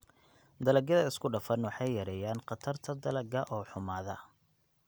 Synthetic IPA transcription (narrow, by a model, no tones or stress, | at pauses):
d̪ɐlɐɡɐðɐɪskʰʊɖɐfɐnwɑħɑjjɐɾɛjaːnqɑt̪ʰɐrt̪ʰɐd̪ɐlɐɡɐʔɔːħʊmaːðɐ̰